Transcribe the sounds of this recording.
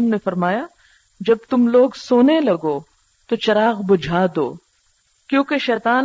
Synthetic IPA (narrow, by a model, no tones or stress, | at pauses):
mnefɐɾmaːja | d͡ʒɐb̚t̪ʊmloːɡsoːnelɐɡoː | t̪ot͡ʃɐɾaːɣbʊd͡ʒʱaːd̪oː | kjõːkeʃɛːt̪aː